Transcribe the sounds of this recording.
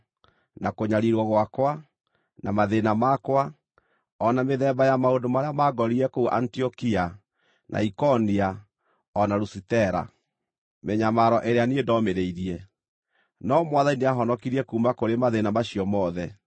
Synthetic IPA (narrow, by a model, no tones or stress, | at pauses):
nakoɲaɾiɾwɔɣwakwa | namaðenamakwa | ɔnameðɛbajamaondomaɾeamaɡɔɾiɛkouʔa̰ntiɔkia | nʔa̰ikɔnia | ɔnaɾusitɛɾa̰ | meɲamaɾɔʔeɾeaniedɔmeɾeiɾiɛ | nɔmwaðaineaɦɔnɔkiɾiɛkuːmakoɾemaðenamaɕiɔmɔðɛ